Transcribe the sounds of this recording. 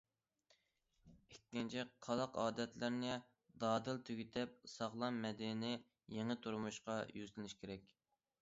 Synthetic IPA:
ekʲːint͡ʃʰiqʰɑlˠɑqɑːd̪ɛt̪lɪɾnɪ | d̪ɑːd̪ɨlt̪ʰyɡʲit̪ʰɛp̚sɑʁlˠɑnmɛd̪inɪ | jeŋɨt̪ʰuɾmuʃqɑjyzlɪnɪʃkʲʰeɾɛkʲ

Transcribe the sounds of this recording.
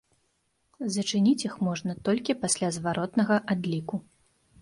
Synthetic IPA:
zɐt͡ʂɨnʲit͡sʲjixmɔʐnɐt̪ɔlʲkʲipasʲlʲazvaɾɔt̪nɐɣɐʔad̪lʲiku

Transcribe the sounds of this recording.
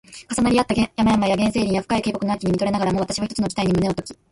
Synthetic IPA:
kasanaɾʲiat̪ːaɡjamajamaijaɡẽse̞ːɾʲĩɰ̃jaɸɯ̟̥kaike̞ːko̞kɯnakʲiɲ̟imit̪oɾe̞naɡaɾamo̞βat̪aɕiβaçit̪ot͡sɨnod͡ʑi̥aiɲ̟imɯ̟neot̪o̞kʲi̥

